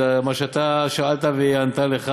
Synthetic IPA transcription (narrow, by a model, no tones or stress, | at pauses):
maʃeat̪aʃaalt̪aveant̪aleχa